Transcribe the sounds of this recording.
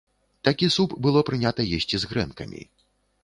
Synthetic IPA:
t̪akʲisupbɨlˠɔpɾɨnʲat̪ɐjesʲt͡sʲizɣɾɛnkɐ̰mʲḭ

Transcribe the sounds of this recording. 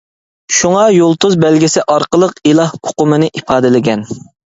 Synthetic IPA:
ʃuŋɑjolˠt̪uzbɛlɡʲisɪʔɑɾqəlˠəqilˠɑhoqʊmɨnɨʔipʰɑːd̪ɪlɪɡʲɛn

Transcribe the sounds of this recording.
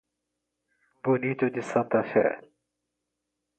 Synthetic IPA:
bʊnit̪ud̪ɪsɑt̪ːɑfɪ̰ʕ̰l

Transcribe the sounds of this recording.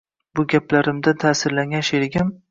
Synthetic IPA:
bʊɡʲaplaɾɪmd̪at̪ʰaːsɪɾlaŋʲaʃeɾɪɡʲɪm

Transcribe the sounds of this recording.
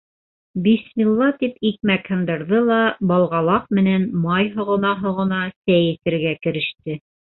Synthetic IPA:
bismʲilˠːɑt̪ipik̚mækhɤ̆nd̪ɤ̆ɾðɤlˠɑbɑlˠʁɑlˠɑq̚mɘ̆nænmɑjɦŏʁɤ̆nɑɦŏʁɤ̆nɑsæjɘ̆t̪ɘ̆ɾɡækɘ̆ɾɘ̆ʃt̪ɘ

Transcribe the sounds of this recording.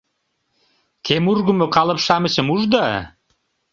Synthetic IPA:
kʰemurɣə̆mokɑlə̆pʃɑmə̆ɕəmuʒd̪ɑ

